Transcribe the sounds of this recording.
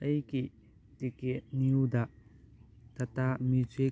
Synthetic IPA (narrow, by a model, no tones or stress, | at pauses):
ɐjki | tiket̚niwdɐ | tɐtamize